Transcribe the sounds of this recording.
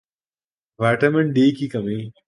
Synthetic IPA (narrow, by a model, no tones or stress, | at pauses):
ʋaːʈɐmɐɳʈɖeːkikɐmeː